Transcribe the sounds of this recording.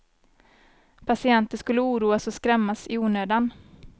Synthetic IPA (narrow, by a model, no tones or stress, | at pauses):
pʰasɪɛnt̪əʂkɵlːəuːɾuːasɔskɾɛmːasɪuːnøːd̪an